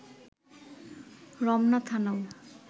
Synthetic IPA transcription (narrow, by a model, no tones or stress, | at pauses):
ɾɔmnat̪ʰanaw